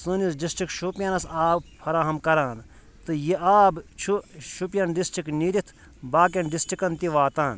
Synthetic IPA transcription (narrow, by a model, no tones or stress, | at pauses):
sɨnisɖisʈikʃupjɐnɐsaːbpʰɐɾaːɦɐmkɐɾaːn | t̪ɨjiʔaːbt͡ʃʰuʃupjɐnɖisʈikniɾit̪ʰ | baːkʲɐnɖisʈikɐnt̪iʋaːt̪aːn